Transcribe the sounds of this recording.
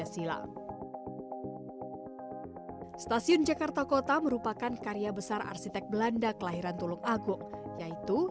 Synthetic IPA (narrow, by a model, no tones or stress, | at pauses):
asila̰ | st̪asiʊnd͡ʒakart̪akot̪aməɾupakankaɾiabəsara̰rsit̪ɛk̚bəlandakəlaɦiɾant̪ulʊŋaɡʊŋjait̪u